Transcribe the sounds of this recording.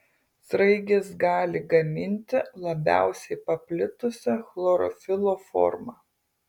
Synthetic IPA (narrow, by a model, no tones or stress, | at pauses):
sɾɐɪɡʲɪsɡɑːlʲɪɡɐmʲɪnʲt̪ʲɪlˠɐbʲæ̰ˑʊsʲɛɪpɐpʲlʲɪt̪ʊsʲɛxlˠoːɾɔ̰fʲɪlˠoːfɔ̰ːɾmɑː